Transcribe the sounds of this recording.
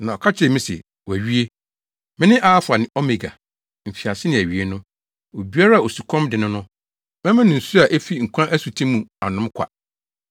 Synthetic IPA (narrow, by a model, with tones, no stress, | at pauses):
nã˨ɔ˨kʰa˦t͡ɕʰɪ˨ɛ˨mĩ˦sɛ̰˨ | wæ˨ɥi˦e˦ | mɪ̃˦nɪ̃˦ʔa˦fʊ˨a˨nɪ̃˨ʔɔ˦me˨ɡa̰˨ | m̩˨fi˨a˨sɪ˦nɪ̃˨æ˨ɥi˦e˦nʊ̃˦ | o˨bi˦a˦ɾa˦˨o˨su˨kʰɔ̃˦mdɪ˨nʊ̃˦nʊ̃˦ | mɛ̃˦mɪ̃˦nɪ̃˨n̩˨su˦a˨ʔæ˦fi˦ŋ̩˨kʷʰã˦ʔæ˦su˨tʰĩ˦mũ˨a˨nʊ̃˦mkʷʰa̰˨